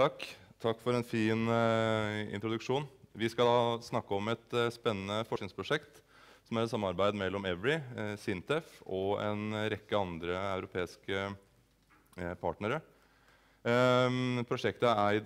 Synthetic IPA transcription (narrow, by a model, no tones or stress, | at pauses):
ɑkːt̪ʰɑkːfɔɾɛnfiːn | ɪ̰nt̪ɾʊd̪ʉkʂuːnʋɪskɑld̪ɑːsnɑkːəɔmɛt̪spɛnːənəfɔʂʈnɪŋspʰɾʊʂɛkt̪ | sɔmæɾɛt̪sɑmːɑɾbæɪd̪mɛlːɔmɛʋɹɪsɪnt̪ʰɛfɔɛnɾɛkːəɑnd̪ɾəɑʉɾʊpʰeːɪskə | pʰɑːʈnəɾə | pʰɾʊʂɛkt̪əæɾæɪd̪